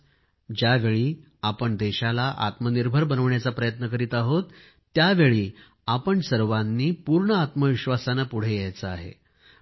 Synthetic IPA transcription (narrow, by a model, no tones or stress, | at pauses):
d͡ʑjaʋeɭiː | apəɳd̪eɕalaʔa̰t̪məniɾbʱəɾbənəʋɳjat͡sapɾəjət̪nəkəɾiːt̪aɦot̪ː | jaʋeɭiː | apəɳsəɾʋanːiːpuɾɳəat̪məʋiɕʋasanapuɽ̤ejajt͡səaɦḛ